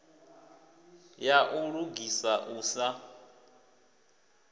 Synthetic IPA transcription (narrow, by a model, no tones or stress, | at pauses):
jaʔuɺuɡisaʔuːsa